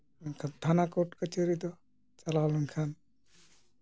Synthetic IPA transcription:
ŋkʰant̪ʰanakɔʈkat͡ʃəɾid̪ɔ | t͡ʃalalɔŋkʰan

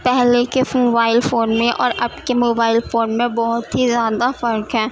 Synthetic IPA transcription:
pɛɦlekemoːbaːɪlfoːnmẽʔɔ̰ːɾɐb̚kemoːbaːɪlfoːnmẽbɔɦʊt̪ɦizjaːd̪afɐɾkɦɛː

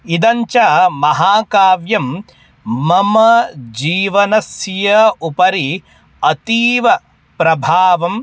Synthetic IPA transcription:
id̪ɐɲt͡ʃɐmɐɦaːkaːʋjɐmː | ɐmɐd͡ʒiːʋɐnɐsjɐupɐɾi | ɐt̪iːʋɐ | pɾɐbʱaːʋɐm

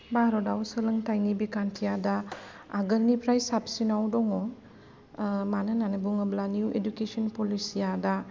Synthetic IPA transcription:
baɾɔdawsɯlɐŋtajnibikantʰijadaː | ɡɐɾnipʰɾajsap̚sinawdɔŋɔ | manɐnanɐbuŋɐblanuḛdukesɔnpɔlisijada

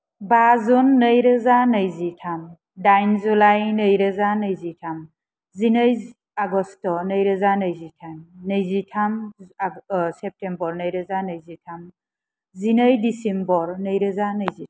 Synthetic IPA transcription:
bazunːəjɾɯzanəjzitʰam | dajnzulajnəjɾəzanəjzitʰam | zinəj | aɡɔstɔnəjɾɯzanəjzitʰamnəjzitʰam | sɛp̚tembɔɾnəjɾəzanəjzitʰam | zinəjdisimbɔɾnəjɾɯzanəjzi

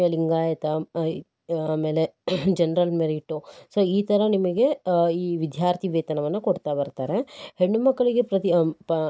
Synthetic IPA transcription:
ɐliŋɡaːjɐt̪ɐ | aːme̞ːled͡ʒenɐɾɐlmeɾiʈːusoiːt̪ɐɾɐnimɐɡe̞iːʋid̪ʱjaːɾt̪ʰiʋeːt̪ɐnɐʋɐnːɐkoɽt̪abɐɾt̪aːɾeheɳːumɐkːɐɭiɡe̞pɾɐt̪i

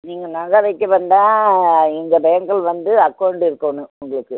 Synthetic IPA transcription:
niːŋɡɐnɐlɐʋɐɪkːɯʋɐnd̪ãːɛŋɡɐbɐjɐŋɡɐɭʋɐnd̪ɯɐkːɐwɳɖɪɾɯkːɐʋnɯ̃ʊŋɡɐɭɯkːɯ

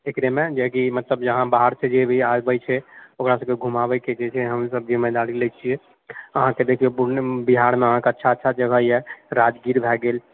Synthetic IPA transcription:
ekɾemed͡ʒeɦkimət̪ləbd͡ʒəɦãbaɦəɾsʰed͡ʒebʱiabɛjt͡ʃʰɛokɾasə̃b̚keɡʱumabɛked͡ʒet͡ʃʰɛɦəmsəb̚d͡ʒimed̪alilət͡ʃʰie | əɦãked̪ekʰiobbiɦaɾmeəɦãkeətːʃʰaətːʃʰad͡ʒəɡʱəjeɾad͡ʒɡiɾbʱɛɡel

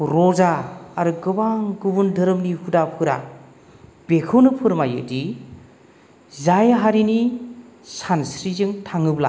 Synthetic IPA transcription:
ɾɔzaːɾɯɡɯbaŋɡɯbundɯɾɯmnihudapʰɯɾa̰ | b̥ekʰɯwnɯpʰɯɾmajɯ̰di | zajɦaɾini | sansɾizɯŋtʰaŋɯbla̰

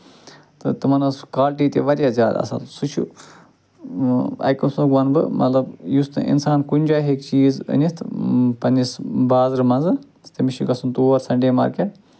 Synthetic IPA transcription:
t̪ɨt̪ɨmɐnɐskaːlʈiːt̪ʲḛʋɐɾʲjaːzʲja̰ːd̪a̰ːsa̰ːlsut͡ʃʰṵ | ɐ̰jkʲɐnsuɡʋɐnbɨmʔɐ̰t̪lɐbjust̪ɨ̰ḭnsaːnkunʲd͡ʒaːɦekt͡ʃiːzɨ̰nʲist̪ʰpɐnʲisbaːzɾɨmɐnzɨ | t̪ɐmiʃiɡɐsunt̪oːɐɾsɐɳɖeːmɐ̰ːɾkʲe

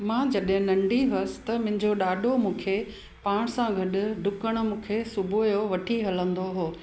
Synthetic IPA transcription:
mãːd͡ʑɐɗɦɪ̃nɐ̃ɳɖiɦʊsɪ̥t̪ɐmʊ̃ɦɪ̃ɲd͡ʑoɗaːɗʱomũːkʰe | paːɽ̃sãɡʱɐɗʊ̆ɖʱʊkəɽ̃ʊ̆mũːkʰesʊbʱojoʋɐʈʰiɦɐlə̃nd̪oɦoː

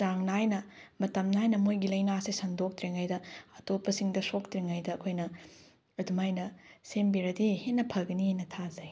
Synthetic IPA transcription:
zaŋnajnɐmɐtɐmnajnɐmojɡilɐjnasisɐndok̚tɾiŋajdɐɐtopːɐsiŋdɐsok̚tɾiŋajdɐːkʰojnɐ | ɐdumajnɐsembiɾɐdihenːɐpʰɐlɡɐnihajnɐtʰazɐj

